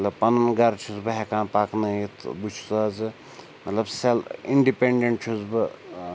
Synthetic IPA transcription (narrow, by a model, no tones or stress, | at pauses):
t̪lɐb̚pɐnunɡɐɾt͡ʃʰuzbɨɦekãːnpaːknɐit̪ʰbut͡ʃʰsaːzɨ | mɐt̪lɐbsɐliɳɖipeɳɖeɳʈ̚t͡ʃʰuzbɨ